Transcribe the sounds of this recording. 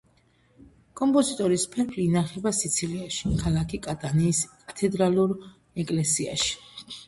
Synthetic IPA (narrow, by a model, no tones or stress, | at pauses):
kʼɔmpʼɔzit̪ʼɔɾispʰɛɾpʰliːnaχɛbasit̪sʰiliaʃikʰalakʰikʼat̪ʼaniːskʼat̪ʰɛd̪ɾaluɾ | ɛkʼlɛsia̰ʃi̥